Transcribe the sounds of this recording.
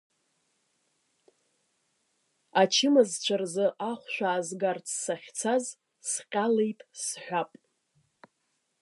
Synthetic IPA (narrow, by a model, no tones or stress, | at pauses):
at͡ʃʰɪmazt͡ʃʷʰarzɨʔaχʷʃᶣʷaːzɡart͡sʰsaχʲt͡sʰaz | sqʲʼalejtʼsħʷᶣapʼ